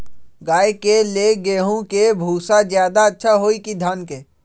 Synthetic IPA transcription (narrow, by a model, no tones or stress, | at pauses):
ɡaːekeleɡeːɦõkebʱuːsad͡ʒjaːd̪aətːʃʰaɦoːikid̪ʱaːnke